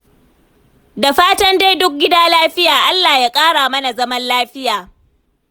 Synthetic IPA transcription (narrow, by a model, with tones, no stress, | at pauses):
da˨ɸaː˦tɐ˦nde˦jdʊ˦k̚ɡʲɪ˦daː˦laː˦ɸɪ˦jaː˨ʔa˦lːaː˨jaː˦kʼaː˦ɽaː˨mɐ˦na˨zɐ˦mɐ˦nlaː˦ɸɪ˦jaː˨